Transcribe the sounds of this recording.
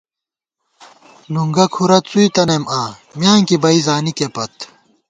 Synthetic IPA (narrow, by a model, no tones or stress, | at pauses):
nuŋɡɐkʰuɾɐt͡suit̪ɐnɐmʔaː | mjaːŋkibɐizaːnikepɐt̪